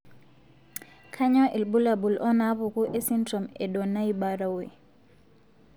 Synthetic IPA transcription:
kʰa˦ɲɔ˦ʔe˨lbu˦la˨bu˨lʔɔ˦na˦βʊ˨ku˦ʔe˦si˦ndrɔ˨me˨dɔ˨na˦i˦ba˨ɾa˨we˨

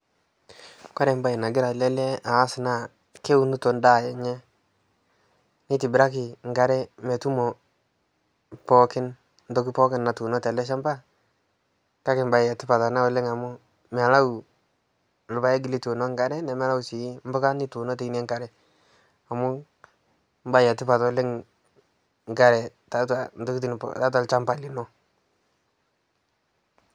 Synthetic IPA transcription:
ka˦ɾɛ˨˦m˦ba˨i˨na˨ɡɪ˦ɾa˨lɛ˦lɛ˦aː˨˦sna˦˨ | ke˦u˦nu˦to˨nda˦˨jɛ˨ɲɛ˦ | ni˦ti˨bɪ˨ɾa˦kɪ˨ŋ˨ɡa˨ɾɛ˦mɛ˨tu˦mɔ˨ | pɔ˦kɪ˦n | ndɔ˦ki˦pɔ˦kɪ˦nːa˨tu˨nɔ˦tɛ˨lɛ˦ʃ̬a˦mba˦ | ka˦kɪ˨mba˨jɛ˨tɪ˦pa˨ta˨na˦wʊ˨lɪ˦ŋa˨mʊ˦ | m˨a˨la˦wu˨ | lʊ˨ba˦ɛ˦ɡ̬ɪ˨li˦tu˨nɔ˦ŋɡa˦ɾɛ˦nɛ˨mɛ˦la˦usi˨˦m̩˦bɔ˦ka˦ni˦tu˨nɔ˦te˦i˦nɛ˦ŋɡa˨ɾɛ˨ | a˨mʊ˦ | m˦ba˦ja˨tɪ˦pa˨tɔ˨˦lɪ˦ŋ | ŋ˨ɡa˦˨ɾɛ˨ | ta˨˦ta˨ndɔ˦ki˦t̬i˨n˨pta˦t̬wa˨lt͡ʃa˦mba˨lɪ˨nɔ˦

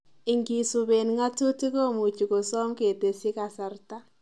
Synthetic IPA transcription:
ɪ˨ŋɡi˨su˨be˨nŋa˦tu˦ti˦ko˦mu˨t͡ʃi˨ko˨sɔ˦mke˨te˨si˦ka˨sa˨rta˦

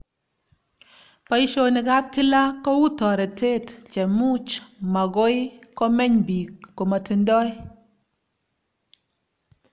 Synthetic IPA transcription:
pa˨i˦ʃo˦ni˨ɡa˦p̚ki˦la˦kɔ˦wu˦tɔ˨ɾɛ˨te˦˨tt͡ʃɛ˨mu˦t͡ʃma˨ɡo˦jkɔ˦mɛ˦ɲbi˨kːo˨ma˨ti˨ndɔ˦j

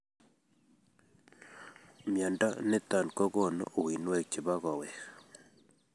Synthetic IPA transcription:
mja˨nda˦ne˦t̪a˨nkɔ˦ɣɔ˦˨nɔ̰o˨wi˨nwɛ˦˨k̚t͡ʃe˨βa˦ɣɔ˨wɛ˨

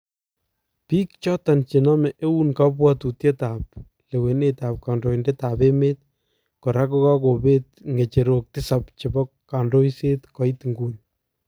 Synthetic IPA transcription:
piː˦k̚t͡ʃɔ˦ta˨nt͡ʃi˨nɔ˦mɛ˨ʔe˦u˦nka˦p̬wa˦tu˨tje˦ta˨p̚ | le˨we˨netaː˨p̚ka˨ndo˨i˨ndeta˨pe˦me˦t̚ | kɔ˨ɾa˦kɔ˦ka˦ko˨be˦t̚ŋɡe˨t͡ʃe˨ɾo˨k̚tɪ˦sapt͡ʃɪ˨bɔ˦kːa˨ndo˦isetkɔ˨itŋɡuɲ

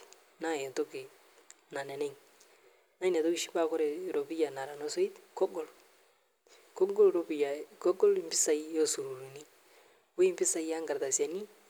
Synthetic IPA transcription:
na˦˨jɛ˨nto˦ke˨ | na˨nɛ˨nɛ˦ŋ | na˦n˨a˨t̪o˦ki˦ʃi˦ba˦kɔ˦ɾɛ˨ɾo˨bi˦ja˨na˨ɾa˨nɔ˦so˦i˦tkɔ˦ɡɔ˦l | kɔ˦ɡɔ˦lɾɔ˦bi˨ja˨kɔ˦ɡɔ˦lmbɪ˦sa˦i˦jɔ˦su˨ɾu˨ɾu˨ni˦ | we˦mbɪ˦sa˨i˦a˦ŋɡa˨ɾt̪a˨sa˨ni˦

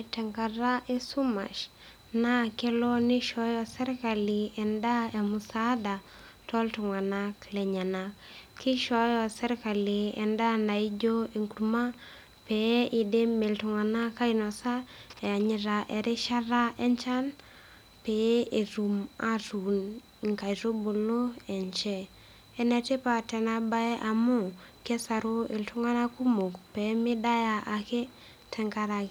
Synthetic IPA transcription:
ɛ˨tɛ˨ŋka˨ɾa˦ʔe˦su˦ma̰˨ʃ | na˦ke˦lɔ˦nɪ˦ʃɔ˦jɔ˦sɛ˦ɾka˨lɪɛ˨nda˦emusada˨ | tɔ˦ltʊ˨ŋa˨na˦klɛ˨ɲa˨nakkːi˦ʃɔ˦jɔ˦sɛ˦ɾka˨lɪ˨ɛ̰˨nda˦na˨i˦d͡ʒo˦i˨ŋku˨ɾma˦ | peʔi˨de˦mːe˨ltʊ˨ŋa˨na˦ka˦inɔsa˦ɛ˨a˨ɲɪ˦ɾa˨ʔɛ˨ɾɪ˦ʃa˦ɾa˦ɛ˦ɲt͡ʃa˦n | pɛ˨e˨ɾu˨ma˦ɾu˨n˨ | ŋka˨jɾo˦bo˨lo˦ɛ˨ɲt͡ʃɛ˦ | ɛ˦nɛ˨te˦pa˨tɛ˨na˦ba˦ɛ˦ʔa˨mʊ˦˨kɛ˦sa˨ɾo˦ɪ˨ltʊ˦ŋa˦na˦ku˦mo˨kpɛ˨˦mɪ˦da˦ja˨ʔa˨ke˦ | tʰɛ˨ŋka˦ɾa˨k

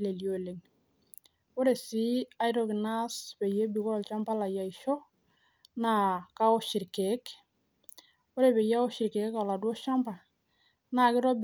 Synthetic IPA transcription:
le˨ljo˨le˨ŋ | o˦ɾe˨si˦a˦jɾɔ˨kɪ˨na˦spe˨je˦bi˨kɔ˦˨lt͡ʃa˦mpa˦la˨ja˨i˨ʃɔ˦ | na˦˨ka˦ɔ˦ʃi˨ɾke˨˦k | o˦ɾe˨be˨ja˦ɔ˦ʃɪ˨ɾke˨kka˨la˨dwɔ˦ʃa˦mpa˨ | na˨kɪ˦ɾɔ˦b

